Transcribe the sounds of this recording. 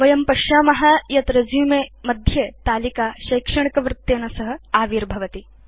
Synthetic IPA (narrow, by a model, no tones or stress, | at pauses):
ʋɐjɐmpɐʃaːmɐɦɐjɐt̪ɾɐzjuːmeːmɐd̪ʱjeːt̪aːlikaːʃɐjkʂɐɳikɐʋɾɪt̪ːeːnɐsɐɦɐ̆aːʋiːɾbʱɐʋɐt̪i